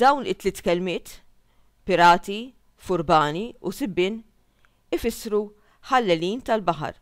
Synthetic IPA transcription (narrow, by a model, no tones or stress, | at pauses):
d̪ɐwnɪt̪ːlɪːt̪kɛlmɪːt̪ | pɪɾɐːt̪i | fʊɾbɐːniusɪbːɪːn | ɪfɪsːɾu | ħɐlːɛliːnt̪ɐlbɐħɐ̰ɾ